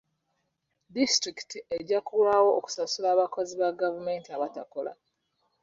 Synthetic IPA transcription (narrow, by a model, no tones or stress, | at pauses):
distɾiki̥tiʔeɟːakulwaːwo̞ːku̥sasulaːβakoziβaɡavume̞ːntiaβatako̞la̰